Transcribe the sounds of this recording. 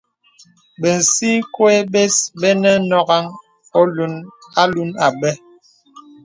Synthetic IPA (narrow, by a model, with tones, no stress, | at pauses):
be˨n̩˨si˦ŋ˦kwe˦be˦sbɛ˦nɛ˦nɔ˦ɡa˦ŋ | o˦lu˦na˦lu˦na˨bɛ˦